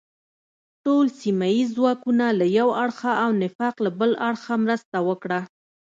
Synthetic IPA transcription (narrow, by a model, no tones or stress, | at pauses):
ʈolsimajizːwɑkunalajawaɽxaʔawnɪfɑqlabəlaɽxamɾəst̪awəkɽa